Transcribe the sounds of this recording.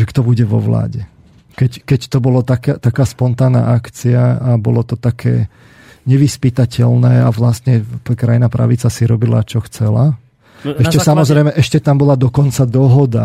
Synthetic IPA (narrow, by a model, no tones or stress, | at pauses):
ʒɛkt̪ɔbuɟɛʋɔ̰ʋla̰ːɟɛ | kɛckɛct̪ɔbɔlɔt̪akat̪akaːspɔnt̪aːna̰ːʔakt͡siaabɔlɔt̪ɔt̪akʰɛ̰ː | ɲɛʋispit̪acɛlnɛːaʋlast̪ɲɛkɾajinapɾa̰ʋit͡sasiɾɔbila̰t͡ʃɔxt͡sɛla̰ | ɛʃcɛsamɔzɾɛjmɛʔɛʃcɛt̪ambɔlad̪ɔkɔnt͡sad̪ɔɦɔd̪a